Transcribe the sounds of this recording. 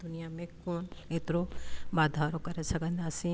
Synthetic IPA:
d̪unijamẽkoːnet̪ɾobaːd̪ʱaɾokɐɾesɐkənd̪asĩ

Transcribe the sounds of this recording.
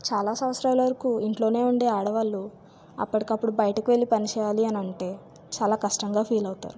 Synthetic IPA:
t͡ʃaːlaːsɐwɐt̪sɾaːjlɐʋɐɾikuiɳʈlo̞ːne̞ːuɳɖeːaːɽɐʋaːlːu | ɐ̰pːɐʈikɐpːuɽubɐjɐʈɐkiʋe̞lːipɐnit͡ʃɛːjaːliɐnɐɳʈe̞ː | t͡ʃaːlaːkɐʂʈɐŋɡaːpʰiːlɐwut̪a̰ːɾu

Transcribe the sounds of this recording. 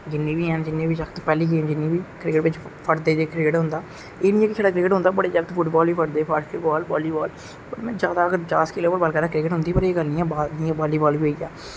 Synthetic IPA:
d͡ʒɪnːeːbiːɦɛ̃ːnd͡ʒɪnːeːbiːʃəkʰt̪ːpɛːliːɡeːmd͡ʒɪnːĩːbiːkɾɪkəʈʋɪt͡ʃpʰəʈd̪eːd͡ʒeːkɾɪkəʈɦʊ̃nd̪aː | eːnĩːɛ̃ːkɪt͡ʃʰaːɖaːkɾɪkəʈɦʊ̃nd̪aːbəɽeːd͡ʒət̪pʰʊʈbɔːlbiːpʰəʈd̪eːpʰaːɾʃkɪbɔːlbɔːliːbɔːl | pəɾmɛ̃ːd͡ʒjaːd̪aːəɡəɾt͡ʃaːskɪloːbəɾbəːlkəɾaːkɾɪkəʈɦʊ̃nd̪iːpəɾeːɡəlniːɛ̃ːbaːniːãːbaːliːbɔːliːɦoiːɛː

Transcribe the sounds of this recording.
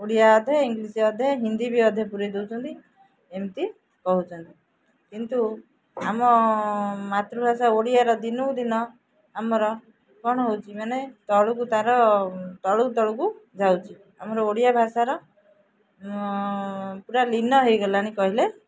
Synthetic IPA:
oɽijaɔd̪ʱɔiŋɡlisiɔd̪ʱeɦind̪ibiɔd̪ʱepuɾid̪ewt͡ʃʰɔnt̪i | emt̪i | kɔɦut͡ʃʰɔnt̪i | kint̪u | amɔ | mat̪ɾubʱasaoɽijaɾɔd̪inɔkd̪inɔ | amɔɾɔ | kɔɽ̃ɔɦowt͡ʃʰimanet̪ɔɭukut̪aɾɔt̪ɔɭut̪ɔɭukud͡ʒawt͡ʃʰi | a̰mɔɾɔoɽijabʱasaɾɔ | puɾalinɔɦejɡɔlaɽ̃ikɔɦile

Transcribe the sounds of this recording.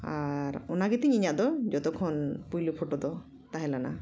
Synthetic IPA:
aɾɔnaɡɛt̪iɲiɲaʔd̪ɔd͡ʒɔt̪ɔkʰɔnpujlɔpʰɔʈɔd̪ɔ | t̪aɦɛlana̰

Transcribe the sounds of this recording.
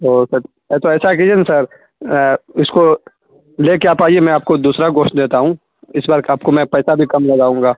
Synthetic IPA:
ɦoːsɐɾ | ɛt̪oɛːsak̬ed͡ʒənsɐɾ | ɪsko | leːkeaːpaːiemɛ̃aːp̚kod̪uːsɾaɡoːʃʈd̪eːt̪aɦũ | ɪsbaːɾkaːp̚komɛ̃pɛːsabʱikɐmlɐɡaːũːŋɡaː

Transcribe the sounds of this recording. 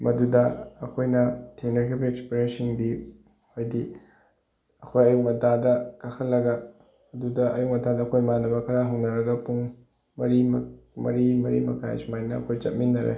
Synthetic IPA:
mɐdudɐːkʰojnɐtʰeŋnɐkʰibiekspiɾensiŋdi | hojdi | ɐkʰojɐjuk̚mɐtadɐkakʰɐlːɐɡɐ | ɐdudɐɐjuk̚mɐtʰadɐːkʰojmanɐbɐkʰɐɾaɦɐwnɐɾɐɡɐpuŋ | mɐɾimmɐɾimɐɾḭmɐkʰaḛsmajnɐ̰ːkʰojt͡ʃɐt̚minːɐɾḛ

